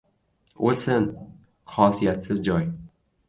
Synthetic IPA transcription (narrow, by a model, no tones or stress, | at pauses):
olsɪn | χɒsijat̪sɪzd͡ʒɒj